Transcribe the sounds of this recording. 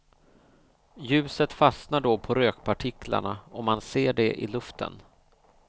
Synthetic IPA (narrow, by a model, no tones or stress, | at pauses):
jʉ̟ːsət̪fasnaɖopʰɔɾøːkpʰaʈʰɪkʰla̰ɳaɔmːanseːɖɛʔɪ̰lɵft̪ʰə̰n